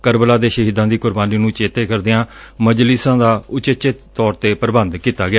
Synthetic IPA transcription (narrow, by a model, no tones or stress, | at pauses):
kəɾbəlaːd̪eːʃəɦiːd̪ãːd̪iːkʊɾbaːniːnũːt͡ʃeːt̪eːkəɾd̪ɪãːməd͡ʒlɪsãːd̪aːʊt͡ʃɪt͡ʃɪt̪t̪ɔːɾt̪eːpəɾbənd̪kiːt̪aːɡɪaː